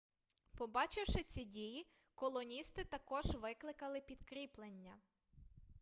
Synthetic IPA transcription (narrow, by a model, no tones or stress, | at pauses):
pɔbɑt͡ʃɪwʃɪt͡sʲidʲiji | kɔlˠɔnʲist̪ɪt̪ɐkɔʒʋɪklˠɪkɐlˠɪpʲid̪kɾʲiplˠenʲːɐ